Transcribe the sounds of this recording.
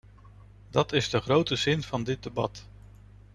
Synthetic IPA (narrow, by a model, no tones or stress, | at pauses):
dɑtɪzdəχrowtəzɪnv̥ɑndɪt̚dəbɑt